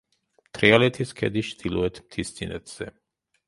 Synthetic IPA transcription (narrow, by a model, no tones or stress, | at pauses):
t̪ʰɾialɛt̪ʰiskʰɛ̰d̪it͡ʃd̪ilɔɛt̪ʰmt̪ʰist̪sʰinɛ̰t̪ʰz̥ɛ